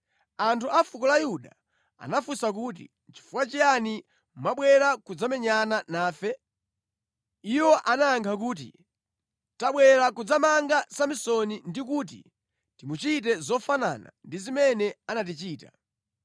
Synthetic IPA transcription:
antʰuafukɔlajuɗa | a̰nafusak̬uːt̬ḭ | t͡ʃi̥fuwat͡ʃiani | maɓwɛɾakud͡zamɛɲananaːfɛ | iwɔʔanaːŋkʰakuːt̬ḭ | taɓwɛɾakud͡zamaŋɡasamisɔnindik̬uːt̬ḭ | timut͡ʃit̬ɛzɔfana̰na̰ndizimɛnɛanat̬it͡ʃiːta̰

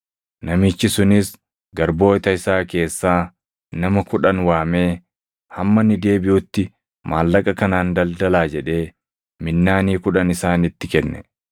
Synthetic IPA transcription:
nɐmɪt͡ʃːɪsʊnɪs | ɡɐɾbo̞ːɪt̪ɐɪsaːke̞ːsːaː | nɐmɐkʊᶑɐnwaːme̞ː | hɐmːɐnːɪd̪e̞ːbɪjʊt̪ːɪ | maːlːɐkʼɐkɐnaːnd̪ɐld̪ɐlaːd͡ʒɛᶑe̞ː | mɪnːaːniːkʊᶑɐnɪsaːnɪt̪ːɪkɛnːɛ

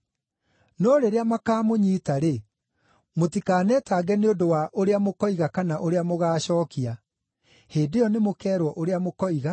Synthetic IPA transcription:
nɔɾeɾeamakaːmoɲiːtaɾe | motikaːnɛtaːɡɛneondowaʔoɾeamokɔiɣakanaʔoɾeamoɣaːɕɔːkia | heːdejɔnemokɛːɾwɔʔoɾeamokɔiɣa

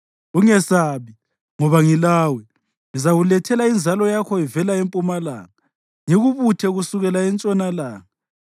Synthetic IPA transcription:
uŋɛsaβi | ŋɔβaŋilaːwɛ | ŋizaɣulɛtʰɛlaind͡zʱalɔjakʰɔivɛlaempʼumala̰ŋa | ŋeɣuβutʰɛɣusuɣɛlaɛnt͡ʃʼɔnalaːŋa

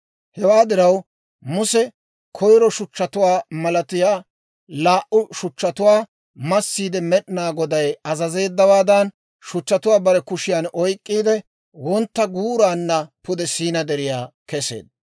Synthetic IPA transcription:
hɛwaːd̪ɪɾɐw | mʊsɛ | kʰɔjɾɔʃʊt͡ʃːɐt̪ʊwaːmɐlɐt̪ɪjaː | laːʔʊʃʊt͡ʃːɐt̪ʊwaː | mɐsːiːd̪ɛmɛɗɪnaːɡɔd̪ɐjɐzɐze̞ːd̪ːɐwaːd̪ɐn | ʃʊt͡ʃːɐt̪ʊwaːbɐɾɛkʊʃɪjanɔjkʼːiːd̪ɛ | wɔnt̪ːɐɡuːɾaːnːɐpʊd̪ɛsiːnɐd̪ɛɾɪjaːkɛse̞̰ːd̪ɐ

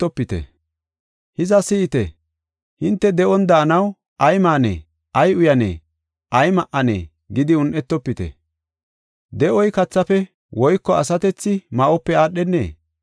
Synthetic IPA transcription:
ɔpːɪt̪ɛ̰ | hɪzɐsɪːt̪ɛ̰ | hɪnt̪ːɛd̪ɛʔɔnd̪ɐːnɐw | ʔɐjmaːnḛː | ʔɐjʊjɐnḛː | ʔɐjmɐʔːɐnḛː | ɡɪd̪ɪʊnʔɛt̪ːɔpːɪt̪ɛ̰ | d̪ɛʔɔjkɐt͡sːɐfɛ | wʔɔjkːɔɐsɐt̪ɛt͡sːɪmɐʔɔpːɛaːɗɛnːḛː

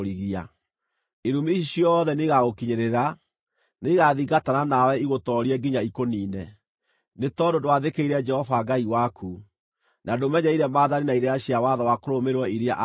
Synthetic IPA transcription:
ɾiɣia̰ | eɾumiɕjɔðɛneɣaɣokiɲeɾeɾa | neɣaðiɡatananawɛiɣotɔɾiɛɡiɲaikoniːnɛ | netɔdodowaðekeiɾɛd͡ʒɛhɔvaɡaiwakʰu | nadomɛɲɛiɾɛmaːðaninaiɾeaɕjawaðawakoɾomeɾwɔiɾea̰ʔ

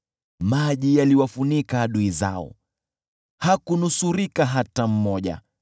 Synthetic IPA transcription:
maʄijaliwafunikaːɗuiza̰ɔ̰ | hakunusuɾikaɦatam̩mɔʄa̰

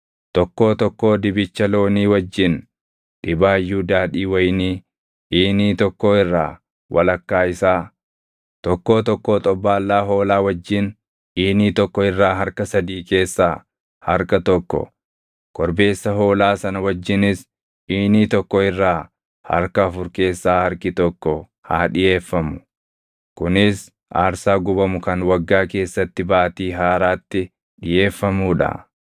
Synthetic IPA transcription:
t̪ɔkːo̞ːt̪ɔkːo̞ːd̪ɪbɪt͡ʃːɐlo̞ːniːwɐd͡ʒːɪn | ᶑɪbaːjːuːd̪aːd̪iːwɐjniː | ʔiːniːt̪ɔkːoːɪrːa̰ː | wʔɐ̰lɐkːaːɪsaː | t̪ɔkːo̞ːt̪ɔkːoːt̪ʼɔbːaːlːaːɦo̞ːlaːwɐd͡ʒːɪn | ʔiːniːt̪ɔkːɔɪrːaːɦɐɾkɐsɐd̪iːke̞ːsːaː | hɐɾkɐt̪ɔkːɔ̰ | kɔɾbe̞ːsːɐɦo̞ːlaːsɐnɐwɐd͡ʒːɪnɪs | ʔiːniːt̪ɔkːɔɪrːaː | hɐ̰ɾkɐːfʊɾke̞ːsːaːhɐɾkɪt̪ɔkːɔ | ha̰ːᶑɪjeːfːɐmʊ̥ | kʊnɪs | ʔaːɾsaːɡʊbɐmʊkɐnwɐɡːaːke̞ːsːɐt̪ːɪbaːt̪iːɦaːɾaːt̪ːɪ | ᶑɪjeːfːɐmuːᶑɐ̰

